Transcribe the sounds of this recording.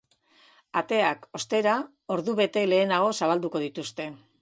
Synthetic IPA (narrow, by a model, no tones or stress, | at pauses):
at̪e̞ako̞st̪e̞ɾa | o̞ɾðuβe̞t̪e̞le̞ːnaɣ̞o̞saβ̞ald̪uko̞ðit̪ust̪e̞